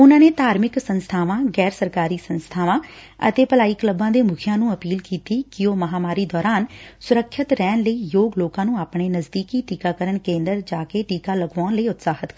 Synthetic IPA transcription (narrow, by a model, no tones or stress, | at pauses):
ʊnãːneːt̪aːɾmɪksənst̪ʰaːʋãːɡɛːɾsəɾkaːɾiːsənst̪ʰaːʋãːə̰t̪eːpəlaːiːkləbãːd̪eːmʊkʰijãːnũːəpiːlkiːt̪iːkɪoːməɦaːmaːɾiːd̪ɔːɾaːnsʊɾəkʰːət̪ɾɛːnləiːjoːɡloːkãːnũːaːpɳeːnəzd̪iːkiːʈiːkaːkəɾənkẽːnd̪əɾd͡ʒaːkeːʈiːkaːləɡʋaːnləiːʊt̪saːɦət̪kəɾ